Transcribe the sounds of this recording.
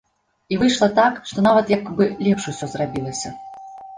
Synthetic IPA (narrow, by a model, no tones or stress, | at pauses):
ivɨjʂlˠɐt̪akʂt̪ɔnavɐt̪jakbɨlʲɛpʂusʲɔzrabʲilˠɐsʲɐ